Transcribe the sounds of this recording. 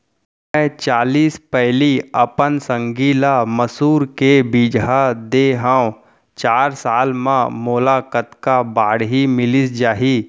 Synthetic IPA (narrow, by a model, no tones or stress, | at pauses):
ɛ̃t͡ʃaːliːspɛɦliɐpənsə̃ŋɡiːlaməsuːɾkebiːd͡ʒɦad̪eɦãː | t͡ʃaːɾsaːlmãmoːlakət̪kabaːɽɦimɪlɪsd͡ʒaːɦiː